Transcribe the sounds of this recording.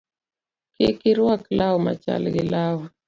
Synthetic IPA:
kɪ̰kɪɾwaklawɔma̰t͡ʃa̰lɡɪlawɔ

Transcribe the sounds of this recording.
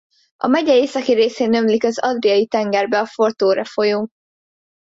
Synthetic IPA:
ɒ̰mɛɟɛeːsɒkiɾeːseːnømlikɒzɒd̪rijɒjit̪ɛŋɡɛrbɛɒfo̞rt̪oːɾɛfo̞joː

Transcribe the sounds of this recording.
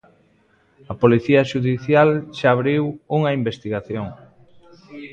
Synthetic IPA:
ɐpoliθiɐʃuðiθjalʃaːβɾiwuŋɐimbest̪iɣaθjoŋ

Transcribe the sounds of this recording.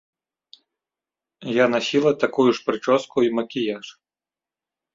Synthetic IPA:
janasʲilˠɐt̪akujuʂpɾɨt͡ʂɔskuimɐkʲijaʂ

